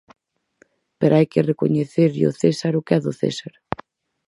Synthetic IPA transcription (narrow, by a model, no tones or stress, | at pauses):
peɾajkereko̰ɲeθeɾʎo̰θesaɾʊkɛðʊθḛsaɾ